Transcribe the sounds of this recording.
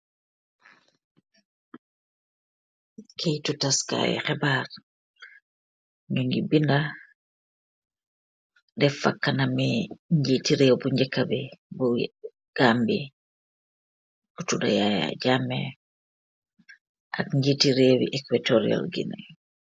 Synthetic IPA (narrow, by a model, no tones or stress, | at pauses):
kʰɛjtutaska̰jɛ̰xɛbaɾ | ɲuŋɡibinda | dɛfa̰kːanamiɲd͡ʒitiɾɛwbuɲd͡ʒɛkːabibɔ | ɡ̥ambi | ʔutuda̰jaja̰d͡ʒamɛ | ʔakɲd͡ʒitiɾeːwḭʔɛkwatoɾia̰lɡḭna